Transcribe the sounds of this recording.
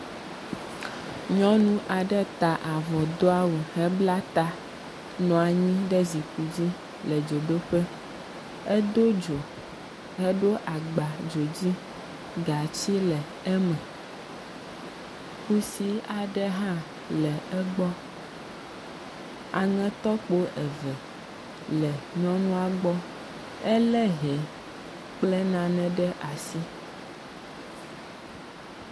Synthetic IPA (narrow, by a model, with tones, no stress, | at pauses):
ɲɔ̃˦nũ˦ʔa˨ɖɛ˦t̪a˨ʔa˨vɔ˨d̪o˦a˦wo˨ɦɛ˦bla˦t̪a˦ | nɔ̃˨a˨ɲĩ˦ɖɛ˦zi˨ku˨d͡ʑi˦ | lɛ˨d͡ʒo˨ɖo˦ɸɛ˦ | ɛ˦d̪o˦d͡ʒo˨ | ɛ˦ɖo˦ʔa˨ɡ͡ba˨d͡ʒo˨d͡ʑi˦ | ɡa˨t͡ɕi˦lɛ˨ | ɛ˦mɛ̃˨ | ku˦si˦a˨ɖɛ˦ɦã˦ | lɛ˨ɛ˦ɡ͡bɔ˦ | a̰˨ŋɛ̃˦t̪ɔ˦k͡po˦ʔɛ˨vɛ˨ | lɛ˨ɲɔ̃˦nũ˦a˨ɡ͡bɔ˦ | ɛ˦lɛ˦ɦɛ˨ | k͡plɛ˦nã˨nɛ̃˨ɖɛ˦ʔa˨si˦